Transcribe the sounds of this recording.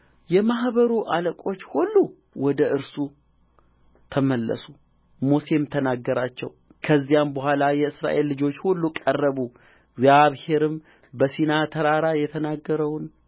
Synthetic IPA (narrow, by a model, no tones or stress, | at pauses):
jɛmahbəɾuʔaləkʼo̞t͡ʃːhulːu | wɔd̪əʔɨɾsu | t̪ʰəməlːə̰su | mose̞mt̪ʰənaɡːəɾat͡ʃːɛ̰w | kʰəzːijambəhʷalajɛɨsɾa̰ʔe̞lːɨd͡ʒo̞t͡ʃːhulːukʼərːəβu | ɡzaβhe̞ɾɨm | bəsinat̪ʰəɾaɾajɛt̪ʰənaɡːəɾəwn